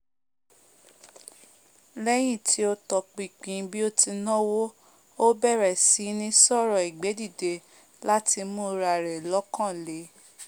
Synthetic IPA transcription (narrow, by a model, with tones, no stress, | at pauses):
lɛ˦j̃ĩ˦˨ti˦o˧tɔ˨k͡pi˨k͡pĩ˨˦bi˦o˦ti˧nɔ̃˦wo˦ | o˦bɛ˦˨ɾɛ˨si˨˦nĩ˦sɔ˦˨ɾɔ˨i˨ɡ͡be˨˦di˦˨de˨˧ | la˦ti˧mũ˦˧ɾa˨ɾɛ˨lɔ˨˦kã˦˨le˨˦